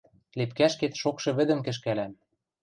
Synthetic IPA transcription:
lepkæʃket̪ʃokʃɤ̆βɘ̆d̪ɘ̆mkɘ̆ʃ̬kælæm

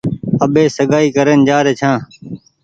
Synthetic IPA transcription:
əɓeːsəɠaːiːkəɾənd͡ʒaːɾeːt͡ʃʰãː

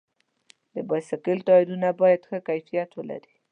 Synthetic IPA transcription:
d̪əbajsakɪlt̪ɑɪd̪unabɑjad̪xəkajfijat̪wəla̰ɾi

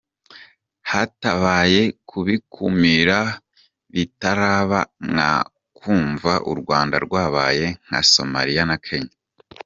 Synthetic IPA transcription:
hataβaːje̞kʰuβikʰumiɾa | βitaɾaːβaŋa̰ | kuːɱvaʔṵɾɡwaːnda̰ɾɡwaːβa̰ːje̞ŋ̥ha̰so̰ma̰ɾijanakʰe̞ɲa

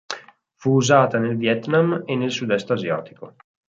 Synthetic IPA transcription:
fuːzaːt̪anelvjɛt̪namenːelsud̪ɛst̪azjɔ̰ːt̪i̥ko

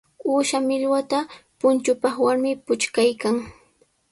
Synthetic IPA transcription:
uːʃamɪʎwat̪apʊnt͡ʃʊpɑχwaɾmɪpʊt͡ʃkajkaŋ

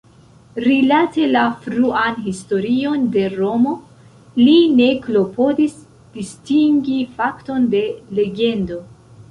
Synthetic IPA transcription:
ɾilate̞lafɾuanɦisto̞ɾio̞nde̞ɾo̞mo̞ | line̞klo̞po̞dis | d̥istiŋɡifakto̞nde̞le̞ɡe̞ndo̞

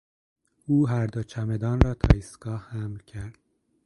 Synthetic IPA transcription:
uːɦæɾd̪ot͡ʃʰæmed̪ɒːnɾɒːt̪ʰɒ̰ːisɡɒːhhæmlcʰæɾd̪̥

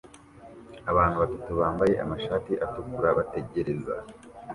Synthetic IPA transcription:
aβaːnhuβatatuβaːmbaje̞ʔa̰maʃaːtiʔatukuɾaβate̞ɟe̞ɾe̞za̰

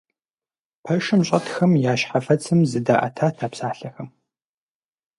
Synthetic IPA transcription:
pʰɐʃɨmɕʼɐtxɐmjaːʃħafɐt͡sʰɨmzɨdaːʔɐ̰tʰaːtʰaːpsaːɬɐxɐm

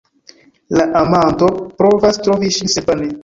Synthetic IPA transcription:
laʔamantopɾovastɾoviʃinsebane

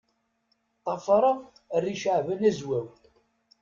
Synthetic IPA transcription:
t̪ˤɑfɾˤɑ | rːiʃəʕvænæzwæw

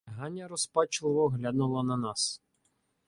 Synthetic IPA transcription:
ɦɑnʲːɐɾɔspɑt͡ʃlˠɪʋɔɦlʲad̪nʊlˠɐnɐnɑs

